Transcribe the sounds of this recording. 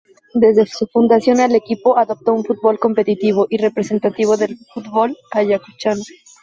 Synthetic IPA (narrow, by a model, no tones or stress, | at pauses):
d̪e̞zðesufund̪asjo̞nale̞kipo̞ʔaðo̞p̚t̪ouɱfut̪̚βo̞lko̞mpe̞t̪it̪iβ̞o̞ʔire̞pɾe̞se̞nt̪at̪iβ̞o̞ðe̞lfut̪βo̞laʝakut͡ʃano